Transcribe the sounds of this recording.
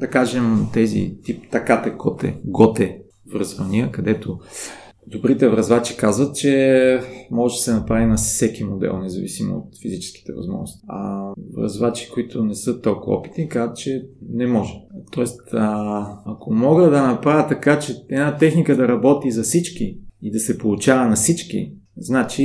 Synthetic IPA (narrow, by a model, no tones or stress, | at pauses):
d̪̥ɐkaʒɛmt̪ɛzḭt̪ipt̪ɐkat̪ɛkot̪ɛ̰ɡɔt̪ɛ | vɾzvɐniəkɐd̪ɛt̪o | d̪obɾit̪ɛvɾɐzvat͡ʃi̥kazvət̪̚t͡ʃɛ | mɔʒɛd̪ɐsɛnɐpɾavinɐssɛkimod̪ɛ̰lˠnɛzɐvḭsimo̰o̰t̪fizit͡ʃɛ̥sk̟i̥t̪ɛ̰vɐ̰zmɔ̰ʒnʊ̰st̪i̥ɐ̰vɾɐ̰zvat͡ʃi̥koit̪ʰonɛsɤət̪ɔlˠkʊv̰ɔ̰pi̥t̪nikazt̪t͡ʃɛnɛmɔʒɛt̪ɔɛst̪ | ɐkʰomɔɡəd̪ɐnɐpɾavʲət̪ɐkat͡ʃɛɛd̪nat̪ɛxnikəd̪ɐɾɐbɔt̪izɐsit͡ʃkiid̪ɐsɛpolˠʊt͡ʃavɐnɐsit͡ʃkḭznat͡ʃi